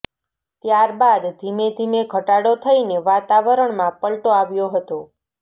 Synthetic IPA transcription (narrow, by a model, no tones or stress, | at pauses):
t̪jaɾbad̪ːʱimed̪ʱimeɡʱəʈaɽot̪ʰəineʋat̪aʋəɾəɳmãpəɭʈoaʋjoɦət̪o